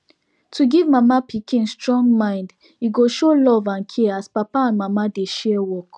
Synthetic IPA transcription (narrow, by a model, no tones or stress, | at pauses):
tʰuɡivmamapikʰĩnstɹɔ̃ŋɡmãɪ̃nd | iɡoʃolɔvãnkʰɛaspapaãnmamadeʃɛwɔk